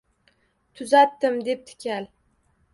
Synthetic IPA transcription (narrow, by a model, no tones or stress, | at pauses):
t̪ʰʊzat̪ːɪmd̪e̞p̚t̪ʰɪ̥kʲal